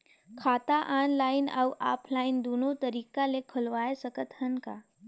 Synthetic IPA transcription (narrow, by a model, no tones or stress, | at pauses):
kʰaːt̪aʔaːnlaːɪnawʔa̰ːpʰlaːɪnd̪oːnõt̪ɐɾiːkalekʰʊlʋaːesəkət̪hɐnka̰